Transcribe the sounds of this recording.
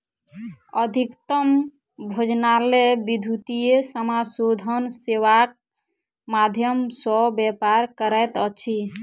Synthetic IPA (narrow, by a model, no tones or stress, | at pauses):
əd̪ʱikt̪əm | bʱod͡ʒnalebid̪ʱut̪ijesəmasod̪ʱənseʋak̚ | mad̪ʱjəmsɔbjɛpaɾkəɾəjt̪ət͡ʃʰi